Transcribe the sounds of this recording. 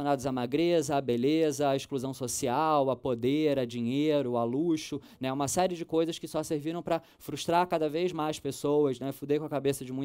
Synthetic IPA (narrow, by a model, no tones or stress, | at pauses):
onad̪ʊzamaɡɾezɐːbelezɐːiʃkluzɐ̃w̃sosiawɐpod̪eɾɐd͡ʒĩɲeɾʊaluʃʊnɛũmɐsɛɾɪd͡ʒɪkojzɐʃkɪsɔseɾviɾɐ̃w̃pɾɐ | fɾuʃt̪ɾaɾkad̪ɐvezmajʃpesowɐʃnɛfud̪ekõɐkabesɐd͡ʒɪmũ